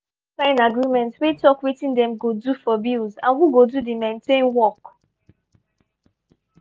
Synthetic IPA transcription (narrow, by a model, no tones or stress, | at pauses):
sãɪ̃naɡɹimɛ̃ntwetɔkwetĩndɛ̃mɡodufɔbilzã̰nhuɡodudimẽntẽnwɔk